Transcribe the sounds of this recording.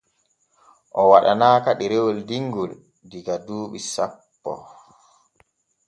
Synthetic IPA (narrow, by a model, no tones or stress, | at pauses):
ʔɔwaɗanaːkaɗiɾɛwɔldiŋɡul | diɡaduːɓisapːɔ̰